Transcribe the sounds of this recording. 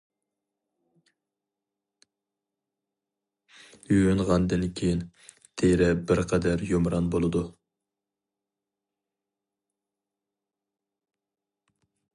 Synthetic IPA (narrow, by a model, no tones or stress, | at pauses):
yjønʁɑnd̪ɨnkʲʰejin | t̪ʰeɾɛbɪɾqʰɛd̪æɾjomɾɑnbolˠɨd̪u